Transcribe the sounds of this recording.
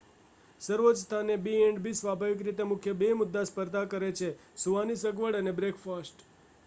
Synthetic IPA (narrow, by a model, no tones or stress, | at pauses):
səɾʋot̪st̪ʰanebieɳɖbʱisʋabʱaʋikɾit̪emʊkʰjəbemʊd̪ːaspəɾd̪ʱakəɾet͡ʃʰesuʋanisəɡʋəɽənebɾekʰfasʈ